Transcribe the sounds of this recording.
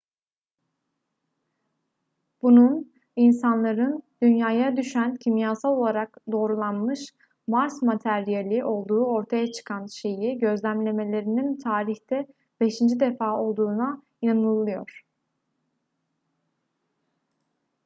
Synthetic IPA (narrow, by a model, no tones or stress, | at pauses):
b̥unun | insanlˠaɾɯnd̪̥ynjaːjad̪yʃæncʰimjaːsalˠo̞lˠaɾakd̪o̞ːɾulˠanmɯʃ | maɾsmat̪ʰæɾijalʲiʔo̞lˠd̪uːo̞ɾt̪ʰajat͡ʃʰɯ̥kʰanʃe̞jiɟø̞zlʲæmlʲe̞me̞lʲe̞ɾinint̪ʰaːɾiçt̪ɛ | be̞ʃind͡ʒid̪e̞faːo̞lˠd̪uːna | inanɯlˠɯjo̞̰ɾ̥